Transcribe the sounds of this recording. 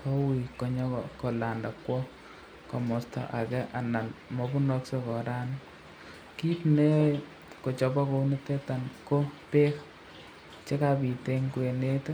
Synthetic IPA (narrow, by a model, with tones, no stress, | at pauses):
ko˦wi˨ko˨ɲɔ˦kɔ̰ko˨la˨nda˨kwɔ˦ | kɔ˨mɔ˨stɔ̰˨ʔa˨kɛ˦ʔa˨na˨nmɔ˨bu˦nɔ˦kse˦kɔ˨ɾa˦n | ki˦pne˦ | ko˨t͡ʃɔ˨bɔ˦ko˦u˦nɛ˦tɛ˦ta˨nko˦pe˦k | t͡ʃe˦ka˨bi˨te˦ŋku˨e˨ne˦t